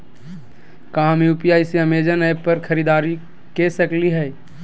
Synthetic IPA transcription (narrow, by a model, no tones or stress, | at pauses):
kɐɦãmjuːpijaːjseɐmeːd͡ʒənapɐɾkʰɐɾiːd̪aːɾi | kesɐkliɦɛː